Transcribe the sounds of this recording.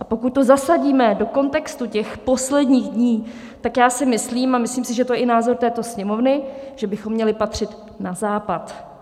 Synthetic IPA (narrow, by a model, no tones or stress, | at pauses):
ʔapo̞kut̪̚t̪o̞zasaɟiːmɛdo̞ko̞nt̪ɛkst̪ucɛxpo̞slɛdɲiːɣdɲiː | t̪akjaːsɪmɪsliːmamɪsliːmsɪʒɛt̪ojɛʔɪnaːzo̞ɾt̪ɛːt̪o̞sɲɛmo̞vnɪʒ̥ɛbɪxomːɲɛlɪpat̪r̝̥ɪt̪ | nazaːpat̪